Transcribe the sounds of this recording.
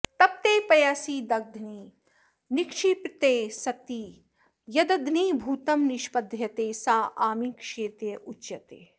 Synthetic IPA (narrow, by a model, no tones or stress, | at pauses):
t̪ɐp̚t̪eːpɐjaːsiːd̪ɐɡ̚d̪ʱniː | nɪkʂipt̪eːsɐt̪iː | jɐd̪ɐd̪niːbʱuːt̪ɐmnɪʃpɐd̪ʱjɐt̪eːsaːʔaːmiːkʂeːt̪ɾjɐʔut͡ʃjɐt̪eː